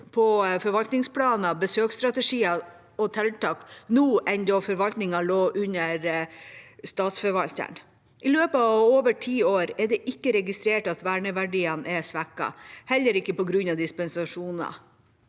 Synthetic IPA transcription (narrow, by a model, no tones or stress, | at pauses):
pʰɔfɔɾʋɑlt̪nɪŋspʰlɑːnɑbəsøːkst̪ɾɑt̪əʂiːɑ | ɔt̪ʰɛlt̪ɑːknuːʔɛnd̪ɔfɔɾʋɑlt̪nɪŋɑloːʔʉnəɾ | st̪ɑːt̪sfɔɾʋɑlt̪ə̰n | ʔɪløːpəɑʋoːʋəʈʰiːoːɾɛɖ̪ɛʔɪkːəɾɛɡɪst̪ɾeːʈɑt̪ʋæːɳəʋæɖiːɑnʔɛsʋækɑ̰hɛlːəɾɪkːəpɔɡɾʉnɑʋd̪ɪspɛnsɑʂuːnɑ̰